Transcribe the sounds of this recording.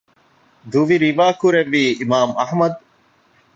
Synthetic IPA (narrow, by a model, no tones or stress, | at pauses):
d̪uʋiɾiʋaːkuɾeʋiːmaːmɐhmɐd̪̚